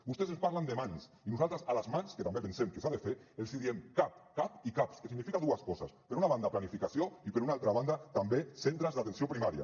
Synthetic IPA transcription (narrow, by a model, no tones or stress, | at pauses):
ust̪es̬espaɾland̪emãns | inusalt̪ɾasalazmansket̪ambepensemkesaðefeelsiðiemkapkapikapskesiɣnifikaðuaskɔsa̰speɾunaβand̪aplanifikasjoipeɾunaalt̪ɾaβand̪at̪ambesent̪ɾazðat̪ensjopɾimaɾja̰